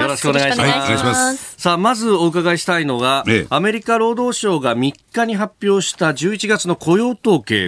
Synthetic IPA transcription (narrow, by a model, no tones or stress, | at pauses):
jo̞ɾo̞ɕi̥koneaiɕaɕasaːmazɨo̞ɯ̟kaɡaiɕi̥t̪aino̞ɡaːme̞ɾʲikaɾo̞ːd̪o̞ːɕo̞ːɡamʲikːaɲ̟iɦapʲːjo̞ːɕi̥t̪ad͡ʑɨːit͡ɕiɡat͡sɨno̞kʰo̞jo̞ːt̪o̞ːke̞̰ː